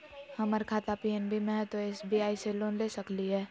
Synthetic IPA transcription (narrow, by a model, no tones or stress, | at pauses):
həməɾkʰaːt̪apiɛnbʱimẽɦɛ̃t̪oeːsbiaːiseloːnlesəkliɦɛː